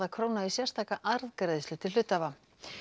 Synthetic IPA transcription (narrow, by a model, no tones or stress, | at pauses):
ðakʰɾoːwnaisjɛr̥st̪ʰaːkaʔaɾðkɾejðslʏt̪ʰɪl̥ʏt̪ːava